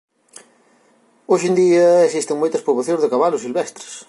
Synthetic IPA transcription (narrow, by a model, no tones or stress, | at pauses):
oʃend̪iɐesist̪ɪŋmojt̪ɐspɾuβoθjõŋzðɪkaβalʊsilβɛst̪ɾɪ̥s